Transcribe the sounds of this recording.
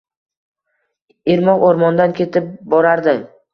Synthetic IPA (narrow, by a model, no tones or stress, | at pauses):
eɾmɒqoɾmɒnd̪ankʲʰe̞t̪ʰɪp̚bɒɾaɾd̪ɪm